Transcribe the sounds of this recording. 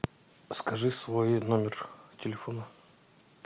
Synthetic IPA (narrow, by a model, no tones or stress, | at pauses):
skɐʐɨsvo̞jnomʲɪrtʲɪlʲɪfo̞nə